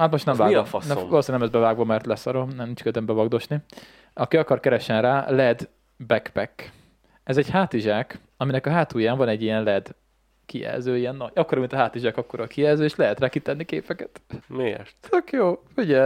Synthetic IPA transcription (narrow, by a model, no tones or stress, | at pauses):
hat̪moʃt̪ɛmvaːɡifɒ̰snɛ̰ʋloːseːɲnɛmɛzbɛvaːɡvɒmɛrt̪lɛsɒɾomnɛmnint͡ʃkøt̪ɛmbɛvɒɡd̪o̞ʃni | ɒkiɒkɒrkɛɾɛʃɛnra̰ːlɛd̪ | bɛkpɛk | ɛzɛɟhaːt̪iʒak | ɒminɛkɒɦaːt̪uːjaːɱvɒnɛɟːijɛnlɛd̪ | kiɛ̰lzøːijɛnːɒɟɒkːoɾɒmint̪ɒɦaːt̪iʒakɒkːoɾɒkiɛlzøːeːʃlɛɦɛt̪raːkit̪ɛnːikeːpɛkɛt̪mḛːʃt̪t̪økjoːfiɟɛ